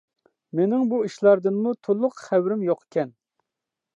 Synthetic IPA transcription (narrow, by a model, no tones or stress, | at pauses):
menɪŋbuiʃlˠɑɾd̪ɨnmut̪ʰolˠːʊqχæwɾɪmjoqʰe̥kʲʰɛn